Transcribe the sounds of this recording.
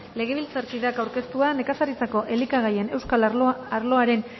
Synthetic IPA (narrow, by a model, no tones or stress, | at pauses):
le̞ɣ̞e̞β̞ilt͡saɾkiðakawɾke̞st̪uane̞kasaɾit͡sako̞ʔe̞likaɣaje̞ne̞wskaaɾlo̞aɾe̞n